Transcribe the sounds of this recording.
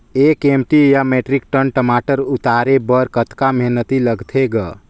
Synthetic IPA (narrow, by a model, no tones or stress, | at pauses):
ekemʈijameʈɾik̚ʈənʈəmaːʈəɾʊt̪aːɾebəɾkət̪kameɦnət̪iləɡt̪ʰeɡə